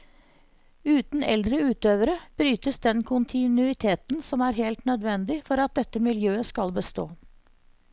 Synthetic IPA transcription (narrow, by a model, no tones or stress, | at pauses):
ʉːt̪n̩ɛ̰ld̪ɾəʉːt̪øːʋəɾəb̥ɾyːt̪əsd̪ɛnkʰʊnt̪ʰɪnʉɪt̪ʰeːt̪n̩sɔmæːɾɦɛlt̪nœd̪ʋɛnd̪ɪfɔɾɑt̪̚d̪ɛt̪ːəmɪljøːəskɑlbəst̪o̰ː